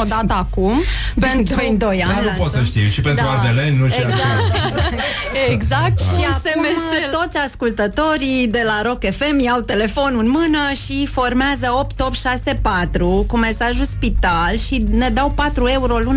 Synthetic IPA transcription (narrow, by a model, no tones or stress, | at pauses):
od̪at̪əakum | pent̪ɾund̪ojanupot̪səʃt̪iwʃipentd̪aɾuad̪elenːuʃiaa | eɡzak̚t̪ʃiasemeet̪o̞t̪sʲaskult̪ət̪o̞ɾid̪e̞laɾo̞ke̞fe̞mjawt̪e̞le̞fo̞nɨnmɨnəʃifo̞rmeazəo̞p̚t̪opt̪ʃase̞pat̪ɾukume̞saʒuspit̪alʃine̞d̪awpat̪ɾue̞uɾo̞lun